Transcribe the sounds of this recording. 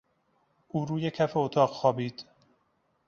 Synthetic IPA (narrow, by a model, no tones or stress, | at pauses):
ʔuːɾuːjecʰæfeot̪ʰɒːɢxɒːbiːd̪̥